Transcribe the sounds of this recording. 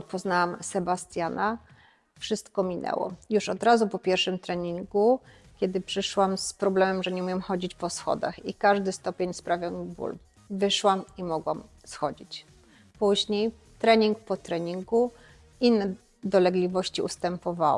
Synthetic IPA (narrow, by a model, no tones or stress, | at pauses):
pɔznawamsɛbast̪ʲjana | fʂɘst̪kɔmʲinʔɛ̰wɔ̰juʂɔd̪ɾazupɔpʲjɛɾʂɘmt̪ɾɛɲiŋɡu | kʲɛd̪ɘpʂɘʂwamspɾɔblɛmɛmʐɛɲɛumjɛmxɔd͡ʑit͡ɕpɔsxɔ̰d̪a̰xikaʐd̪ɘst̪ɔpʲeɲspɾavʲjɔwmbṵl | vɘʂwamimɔɡwam | sxɔd͡ʑit͡ɕ | puʑɲej | t̪ɾɛɲiŋk̚pɔt̪ɾɛɲiŋɡu | inːɛ | d̪ɔlɛɡlʲivɔɕt͡ɕiust̪ɛmpɔvaw